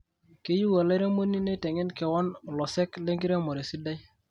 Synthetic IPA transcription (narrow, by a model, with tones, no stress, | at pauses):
ke˦ju˦wo˨la˦ɾe˦mo˦ni˦ne˦tɛ˨ŋɪ˦nkɛ˨wɔ˦n˨lɔ˨sɛ˦kle˦ŋɡɪ˦ɾe˦mo˨ɾe˨si˦da˦j